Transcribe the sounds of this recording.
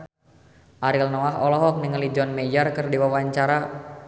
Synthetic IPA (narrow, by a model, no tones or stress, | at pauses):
ʔaɾilnɔaɦɔlɔɦɔk̚niŋəlid͡ʒɔnmejarkɨrdiwawaɲt͡ʃaɾa